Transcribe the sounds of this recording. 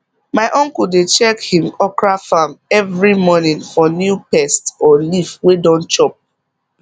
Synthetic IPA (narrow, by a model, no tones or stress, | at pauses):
maɪʔɔ̃ŋkuldet͡ʃɛkhĩmɔkɹafãmɛvɹimɔnĩnfɔnjupɛstɔlifwedɔ̃nt͡ʃɔp̚